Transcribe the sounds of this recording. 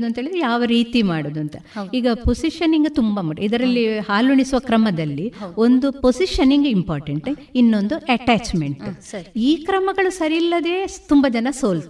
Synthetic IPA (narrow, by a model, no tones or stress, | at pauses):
d̪uɐnt̪ɦeɭid̪jaːʋɐɾiːt̪imaːɽoːd̪uɐnt̪ɐiːɡɐposiʃɐniŋɡut̪umbɐmuʈid̪ɐɾɐlːihaːluɳisuʋɐkɾɐmɐd̪ɐlːio̞nd̪uposiʃɐniŋɡimpaːɾʈeɳʈinːo̞nd̪uʔɛʈaːt͡ʃmeɳʈiːkɾɐmɐɡɐɭusɐɾilːɐd̪e̞ːt̪umbɐd͡ʒɐnɐsoːl